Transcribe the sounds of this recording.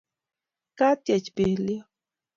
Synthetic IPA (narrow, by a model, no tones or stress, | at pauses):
kat̪jat͡ʃpihli